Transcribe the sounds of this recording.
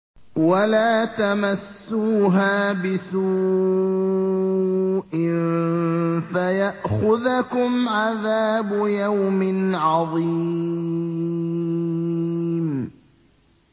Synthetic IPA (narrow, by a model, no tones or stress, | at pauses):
walaːt̪amasːuːɦaːbɪsu | ʔɪn | fajaʔxʊðakʊmʕaðaːbʊjawmɪnʕɑðˤi | m